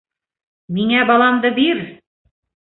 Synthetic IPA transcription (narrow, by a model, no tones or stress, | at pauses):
miŋæbɑlˠɑmd̪ɤbiɾ